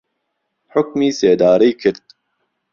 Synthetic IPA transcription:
ħʊk̚miːseːd̪aːɾiːkʰɨɾt̪̚

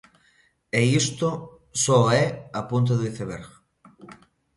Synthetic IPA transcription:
eist̪o | soɛapunt̪̬oðuiθeβeɾ

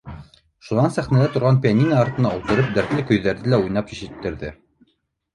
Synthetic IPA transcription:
ʃunɑnsæχnælæt̪ŏɾʁɑnpʲijɑnʲinɑːɾt̪ɤ̆nɑulˠt̪ɤ̆ɾɤp̚d̪æɾt̪lɘkɵ̆jðæɾðɘlæujnɑpjɘ̆ʃɘ̆t̪ːɘ̆ɾðɘ

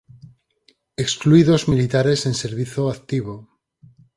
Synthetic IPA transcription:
ekskluiðo̞zmilit̪aɾe̞se̞nse̞ɾβ̞iθoakt̪iβ̞o

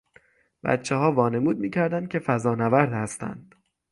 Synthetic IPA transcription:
b̥æ̰t̪t͡ʃʰːeɦɒːvɒːne̞muːd̪̚miːcʰæɾd̪ænd̪̚cʰe̞fæzɒːnævæɾd̪hæst̪æ̰nd̪̥

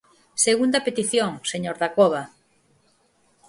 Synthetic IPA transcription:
seɣund̪ɐpet̪iθjoŋseɲoɾðakoβ̞a

